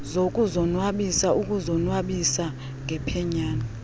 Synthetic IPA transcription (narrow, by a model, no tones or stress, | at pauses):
zokʼuzɔnwaɓisaʔukʼuzɔnwaɓisa | ŋʱɛpʰɛɲaːna